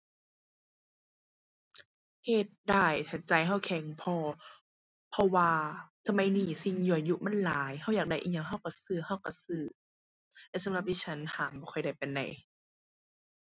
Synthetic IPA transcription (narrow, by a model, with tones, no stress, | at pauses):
he˧˩t̪̚daː˧˩jt̪ʰa˧˩t͡ɕa˨˩jɦa˧˥˩wkʰɛ˨˦ŋpʰɔː˧ | pʰɔ˧waː˧sa˧ma˧˥˦jniː˧˩si˧ŋjuː˧˨ə˨˩ju˧ma˧˥˨nlaː˨˦jɦa˧˩wjaː˨˩k̚da˧˩˨ʔḭː˧˩ɲa˧ŋɦa˧˥˩wka˧˩sɯː˧˩ha˧˩wka˧˩sɯː˧˩ | lɛ˧˨sa˨˦mla˧p̚t̪ʰiː˧˨t͡ɕʰa˦˥nh̪ʰaː˨˦mbɔː˧˩kʰɔ˧˩jda˧˩jpa˨nːa̰˨˩j